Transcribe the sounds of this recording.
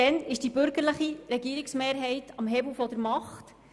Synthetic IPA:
ɛnɪʃd̥ibʏɾɡəɾləχiɾɛɡiːəɾɪksmeːɾɦɛɪtʰɑmɦɛbl̩fɔdəɾmɑχt

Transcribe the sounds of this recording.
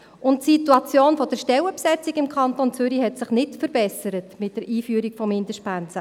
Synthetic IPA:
ʊntsituɑt͡sjoːnfɔd̥əɾʃtɛwəpsɛt͡sikɪmkʰɑntont͡sʏɾiɦɛtsɪχnɪtfəɾbɛsəɾətmɪt̚d̥əɾʔiːfyəɾikfɔmːɪndəʃtpænt͡sə

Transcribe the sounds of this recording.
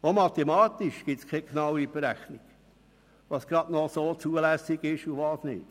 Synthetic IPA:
omɑt̪emɑːt̪iʃɡ̥ɪt̪skʰɛknɑwib̥eɾæχniɡ̥ | ʋɑsɡ̥ɾɑd̪nɔsoːt͡suəlæsiɡɪʃuʋɑːsnɪ̰ːt

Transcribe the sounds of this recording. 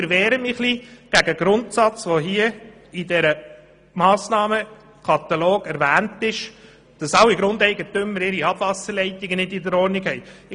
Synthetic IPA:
əɾʋɛːɾəmɪχliɡ̥æɡəɡɾʊntsɑt͡sʋoɦiːə | idɛɾə | mɑːsnɑːmə | kʰɑt̪ɑloːɡ̥ɛɾʋæːntɪʃ | d̥ɑsɑwiɡɾʊnd̪ɛɪɡətʏmːəɾɪɾiɑb̥vɑsəɾlɛɪtɪɡənɪdidəɾɔːɾniɡhɛj

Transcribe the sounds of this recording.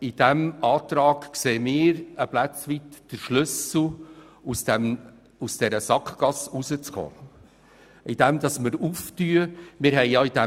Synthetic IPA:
ɪd̥æmɑːt̪ɾɑːɡ̥kseːmɪːɾəplæt͡sʋitd̥əɾʃlʏsl̩ | usd̥ɛm | usd̥ɛɾəsɑkχɡ̥ɑsuzət͡skʰo̰ː | ɪd̥ɛmd̥̪ɑsməɾuftyəmɪːɾɦɛɪjɑid̥æ

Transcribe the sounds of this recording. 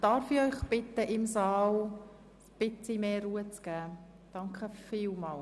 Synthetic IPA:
d̥ɑɾfɪχœʏχb̥ɪtəʔɪmsɑːl | b̥ɪt͡simeːɾuːət͡sɡ̥æː | d̥ɑŋkχəfiːlmɑːl

